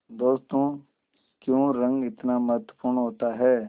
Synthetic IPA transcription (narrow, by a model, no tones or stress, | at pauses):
d̪oːst̪õː | kjõːɾə̃ŋɡɪt̪naməɦət̪wəpuːɾɳɦoːt̪aɦɛː